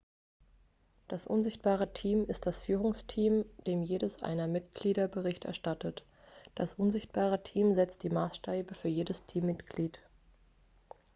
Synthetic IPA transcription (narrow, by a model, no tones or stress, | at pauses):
d̥asʔʊnzɪçt̚b̥aːʁ̞ətʰiːmɪst̚d̥asfyːʁʊŋstʰiːmd̥eːmjeːdəsʔa̰ɪnɐmɪt̚ɡ̥liːɾɐbəʁɪçtʔɛ̰ɐʃtatət | d̥asʔʊnzɪçt̚b̥aːʁ̞ətʰiːmzɛt͡std̥iːmaːsʃteːbəfyːɐjeːdəstʰiːmːɪtɡ̥liːt